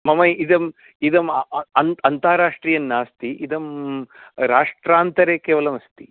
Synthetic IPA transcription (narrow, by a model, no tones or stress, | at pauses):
mɐmɐjid̪ɐm | id̪ɐmɐnɐnt̪aːɾaːʂʈɾiːjɐnːaːst̪iʔid̪ɐm | ɾaːʂʈɾaːnt̪ɐɾekeːʋɐlɐmɐst̪i̥